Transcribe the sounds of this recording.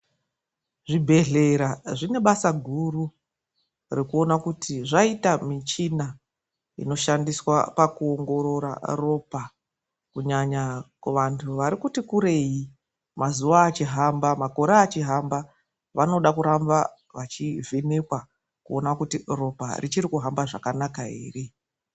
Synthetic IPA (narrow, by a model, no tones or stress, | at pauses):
ʐibʱe̞ɮe̞ɾaʐine̞ɓasaɡʱuru | rekuo̞nakutʰiʐaitamit͡ʃina | ḭno̞ʃandiswa̰pakuoŋɡo̞ɾoɾa̰ro̞pa | kuɲaɲakuʋantʰuʋaɾikutikuɾe̞ji | mazuʋaːt͡ʃiɦambamako̞ɾaːt͡ʃiɦamba | ʋano̞ɗakuɾamba | ʋat͡ʃivenekwa | kuo̞nakutiro̞pa̰rʔit͡ʃiɾikuɦambaʐa̰kanakaḛːre̞